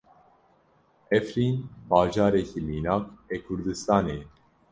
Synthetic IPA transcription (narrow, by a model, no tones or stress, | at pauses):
ɛfɾiːnbɑːʒɑːɾɛkimiːnaːkekʰʊɾd̪ɨst̪ɑːneː